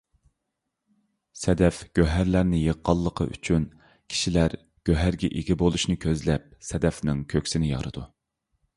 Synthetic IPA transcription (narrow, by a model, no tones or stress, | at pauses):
sɛd̪ɛfɡ̥ʲøɦæɾlæɾnɪjəqːɑlˠːəqʰə̰ʔy̰t͡ʃʰyn | kʲʰi̥ʃilæɾ | ɡ̥ʲøɦæɾɡʲɛʔeɡʲibolˠuʃnɨkʲʰøzlɛp̚sɛd̪ɛfnɪŋkʲʰøkʲsɪnɪjɑ̰ɾɨd̪u